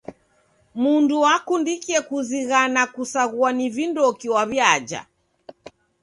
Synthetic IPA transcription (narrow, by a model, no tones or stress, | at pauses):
munduwakundikiɛkuziɣanakusaɣuanivindɔkiwaβjad͡ʒa̰